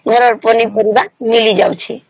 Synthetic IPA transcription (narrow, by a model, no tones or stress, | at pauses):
ɡʱəɾɔɾpənipəɾibaɾmilid͡ʒawt͡ʃʰɛ̰